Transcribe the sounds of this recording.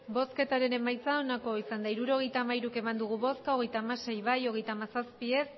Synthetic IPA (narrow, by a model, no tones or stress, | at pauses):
bo̞ske̞t̪aɾe̞ne̞majt͡saonako̞isand̪aiɾuɾo̞ɣ̞e̞jt̪aːmaiɾuke̞mand̪uɣ̞uβo̞skao̞ɣe̞jt̪aːmase̞jβajo̞ɣ̞e̞jt̪aːmasaspie̞s